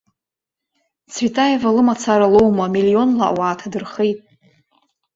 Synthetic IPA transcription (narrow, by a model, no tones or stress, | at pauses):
t͡sʰvitʰʼajevalɨmat͡sʰaɾalo̞wmamilio̞nla̰ʔwaːtʰadɨrχejtʼ